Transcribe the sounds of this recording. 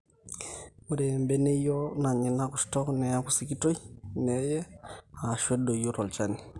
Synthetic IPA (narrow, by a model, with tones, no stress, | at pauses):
u˦ɾɛ˨mbɛ˦nɛ˦jɔ˦na˨ɲi˨na˦ku˨stɔ˦knɛ˨a˦ku˨si˦ki˦to˦i˦nɛ˨˦jɛ˦a˨ʃwɛ˦ɗo˨ijo˦ɾɔ˨lt͡ʃa˦ni˨